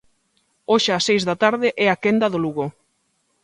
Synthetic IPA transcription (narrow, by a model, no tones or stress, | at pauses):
oʃaːsejzðat̪aɾðɪʔɛakend̪ɐðoluɣo